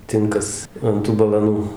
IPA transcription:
ˈtʲɪŋkɐs ɐnt ˈtuː bɐlˠɐˈnuː

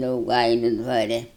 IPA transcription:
dɐʊˈɡɐɪlʲʊ dʋɐˈrʲɛ

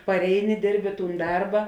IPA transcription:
pɐrʲˈɛɪnʲɪ ˈdʲɪrʲbʲɪ ˈtuːn ˈdɐrbɐ

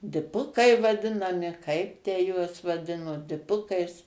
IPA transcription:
dʲɪˈpʊkɐɪ ʋɐˈdʲɪnɐmʲɪ kɐɪp tʲæː juɔs ʋɐˈdʲɪnoː dʲɪˈpʊkɐɪs

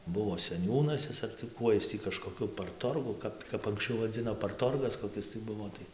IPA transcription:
ˈbʊʋoː sʲɛˈnʲuːnɐs ˈɪs ɐr tɐɪ ˈkuɔj ˈɪs tʲiː kɐʃkoːˈkʲʊ pɐrˈtoːrɡʊ ˈkɐp kɐp ɐŋksʲˈt͡ʃʲɛʊ ʋɐˈd͡zʲɪnoː pɐrˈtoːrɡɐs koːˈkʲɪs tɐɪ ˈbʊʋoː ˈtɐɪ

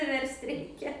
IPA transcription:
ˈʋʲɛrst ˈrʲɛɪkʲɛ

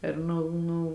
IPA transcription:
ɪr ˈnʊ ˈnʊ

